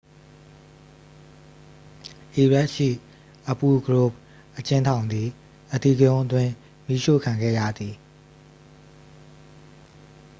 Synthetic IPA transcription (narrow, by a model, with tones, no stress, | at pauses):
ʔi˨ɹɛ˦ʔʃḭ˦˨ | ʔə˨pu˨ɡɹo˦˨p̚ | ʔət͡ɕɪ̃˦ntʰã˨ʊ̃nd̪ði˨ | ʔət̪i˦˨ɡəjõ˦ʊʔətwɪ̃˦ | mi˦ʃo̰˦˨kʰã˨ŋɡɛ̰˦˨jä̰˦˨d̪ði˨